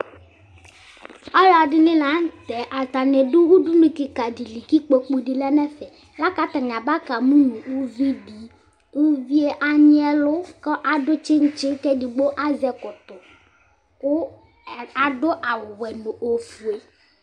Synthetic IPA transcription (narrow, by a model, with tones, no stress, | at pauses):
ɔ˦la˨dɪ˦nɪ̃˦la˨˦n˦tɛ˨ʔa˨ta˨nɛ˨dʊ˦wu˦du˦nu˨kɪ˨ka˨di˨li˨ki˦k͡po˨k͡pu˨di˨lɛ˦nɛ˦fɛ˨ | la˦ka˦t̪a˨ɲ˨a˨ba˦ka˨mũ˦nũ˨u˦vi˦di˨ | u˦vi˦e˦ʔa˦ɲɪ˦ɛ˦lʊ˦kɔ˦ʔa˨dʊ˦t͡ʃɪ˦n̩˦t͡ʃɪ˦tɛ˦di˨ɡ͡bo˦ʔa˦zɛ˨kʊ˨tʊ˨ | kʊ˦ | a˨dʊ˦ʔa˨wɛ˨no˨ʔo˨fu˨e˨˦